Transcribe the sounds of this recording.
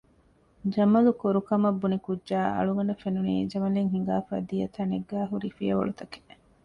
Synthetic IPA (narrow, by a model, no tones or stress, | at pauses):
d͡ʒɐmɐlukoɾukɐmɐbːunikudːʒaːɐ̰ɭuɡɐɳɖɐfenunḭːd͡ʒɐmɐliŋɦiŋ̆ɡaːfa̰ːd̪ijɐt̪ɐneɡːæːɦuɾifijɐʋɐ̰ɭut̪ɐke̥